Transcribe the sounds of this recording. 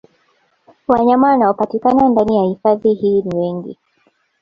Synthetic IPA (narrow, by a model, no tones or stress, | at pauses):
waɲamanaɔpatikanandanijahifaðihiːniwɛŋɡḭ